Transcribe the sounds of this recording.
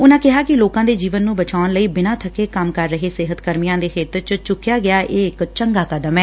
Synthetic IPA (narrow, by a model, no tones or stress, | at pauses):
ʊnãːkɪɦaːkɪloːkãːd̪eːd͡ʒiːʋənːũːbət͡ʃaːʊnləiːbɪnãːt̪ʰəkeːkəmkəɾːəɦeːsɪɦət̪kəɾmijãːd̪eːxʰeːt̪ət͡ʃt͡ʃʊkjaːɡɪaːʔeːɪkt͡ʃəŋɡaːkəd̪əmɛː